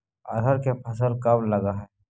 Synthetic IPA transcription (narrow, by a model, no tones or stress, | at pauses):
a̰d̪ʱəɾkepʰɐsəlkɐmləɡaɦɛː